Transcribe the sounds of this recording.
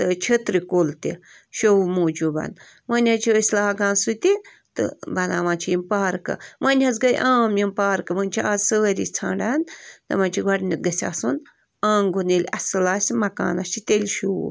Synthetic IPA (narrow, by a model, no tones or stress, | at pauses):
t̪ɨt͡ʃʰɐt̪ɾikolt̪ḭ | ʃowumoːd͡ʒubɐ̰n | mɐnʲat͡ʃʰiəsʲlaːɡaːnsut̪i | t̪ɨ̰bɐna̰ːʋãːnt͡ʃʰijimpaːɾkɨ̰mɐnʲhɐzɡɐjʔãːmjimpaːɾkɨmɐnʲt͡ʃʰiaːzsɨɾḭt͡sʰa̰ːɳɖant̪ɨ̰mɐnʲt͡ʃʰiɡɐɽnʲit̪̚ɡɐsʲa̰ːsun | ãːŋɡunilʲɐsɨlaːsʲimɐka̰ːnɐst͡ʃʰit̪elʲʃṵ